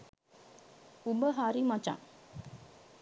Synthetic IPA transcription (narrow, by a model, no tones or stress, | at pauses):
ubəɦaɾimat͡ʃa̰ŋ